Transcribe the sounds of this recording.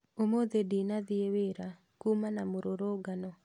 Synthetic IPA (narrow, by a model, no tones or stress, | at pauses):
omoðedinaðieweɾa | kumanamoɾoɾoɡanɔ